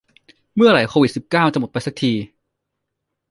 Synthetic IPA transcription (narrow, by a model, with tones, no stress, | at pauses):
mɯ˥˩ɐɾa˨˩jkʰoː˧wi˨˩t̪̚si˨˩p̚kaː˥˩wt͡ɕa˨˩mo˨˩t̪̚pa˧jsa˨˩k̚t̪ʰiː˧